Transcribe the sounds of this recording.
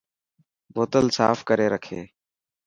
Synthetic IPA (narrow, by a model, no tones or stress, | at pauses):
boːt̪əlsaːfkəɾeːɾəkʰeː